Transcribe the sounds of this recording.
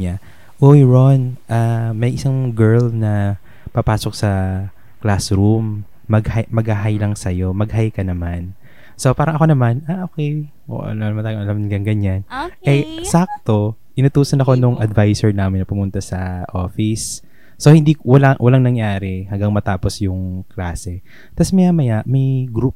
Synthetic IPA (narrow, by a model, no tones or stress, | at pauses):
ɲa | ʔojɹonʔamɐjʔɪsaŋɡɛɹlnɐ | pɐpaːsok̚sɐ | klasɾumː | ɐɡhajmɐɡhaɦajlɐŋsɐjo̞mɐɡ̚ɦajkɐnɐman | so̞paːɾɐŋʔɐko̞nɐmanaʔoːkɛj̰ | nɐmanɐmanaːjɪŋʔɐlamɡɐŋɡɐɲanɛsak̚t̪o̞ | ʔɪnɐt̪uːsɐnɐko̞nʊŋʔɐd̪vajsɛɹnaːmɪnːɐpʊmʊnt̪ɐsɐʔo̞ːfɪsː | ohɪnd̪iːkwɐlawʔɐlaŋnɐŋjaːɾɛhɐŋɡɐŋmɐt̪aːposjʊŋklaːsɛ | t̪asmɐjamɐjaʔmɐjɡɾup